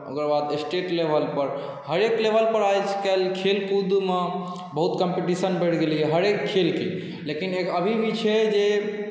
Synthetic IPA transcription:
o̰kəɾbad̪esʈeʈlebʱəlpəɾ | ɦəɾeklebʱəlpəɾajt͡ʃʰkelkʰelkud̪ume | bəɦut̪kəmpeʈisənbeʈʰɡeliɛɦəɾekʰːelke | lekineəbʱibʱit͡ʃʰed͡ʒe

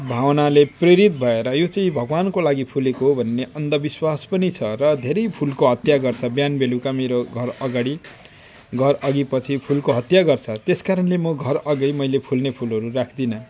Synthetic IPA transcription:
bʱawnalepreɾit̪̚bʱʌeɾʌjot͡sʌ̃ĩbʱʌɡwankolaɡipʰulekoɦobʱʌnːeʔʌnd̪ʌbiswaspʌnit͡sʰʌrʌd̪ʱeɾʌjpʰulkoɦʌt̪jaɡʌrt͡sʰʌbjanbelukameɾoɡʱʌɾʌɡaɽi | ɡʱʌrʌɡipʌt͡sʰipʰulkoɦʌt̪jaɡʌrt͡sʰʌt̪eskaɾʌnlemʌɡʱʌrʌɡʌjmʌjlepʰulnepʰulɦʌɾurakʰd̪inʌ

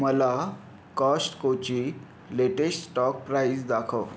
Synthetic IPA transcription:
məla | kɔsʈkot͡ɕi | leʈesʈsʈɔk̚pɾaisd̪akʰəʋ

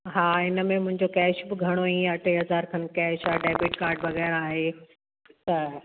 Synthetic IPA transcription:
ɦaːɪnə̆mẽmʊ̃ɦɪ̃ɲd͡ʑokɛːʃbɪɡʱɐɽ̃oĩjaɐʈʰeɦɐzaːɾkʰɐ̃nkɛːʃaːɖaːbɪʈkaːɾɖʋɐɣɛːɾaːɦe | t̪ɐ

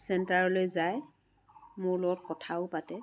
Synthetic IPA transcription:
sɛntaɹɔlojzaj | mʊɹlɔɡɔt̚kɔtʰaʊpatɛ

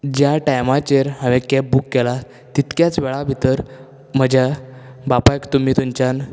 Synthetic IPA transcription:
d͡ʑjaʈajmat͡ɕeɾɦãʋekepbukːela | t̪it̪kjat͡sʋeɭabʱit̪əɾ | m̤əd͡ʑʱjabapajkt̪um̤iːt̪umt͡ɕan

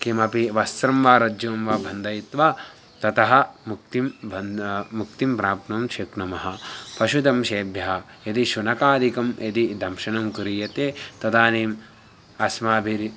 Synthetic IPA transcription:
kimɐpiʋɐst̪ɾɐmʋaːɾɐd͡ʒjoːmʋɐbʱɐnd̪ʱɐjit̪ʋa | t̪ɐt̪ɐɦɐ̆muk̚t̪imbʱɐmuk̚t̪impɾaːpnɐmʃeknɐmɐɦɐ̆pɐʃud̪ɐmʃeːbʱjɐɦɐ | jɐt̪iʃunɐkaːd̪ikɐmjɐt̪id̪ɐmʃɐnɐŋkuɾiːjɐt̪eːt̪ɐd̪aːniːm | ɐsmaːbʱiɾ

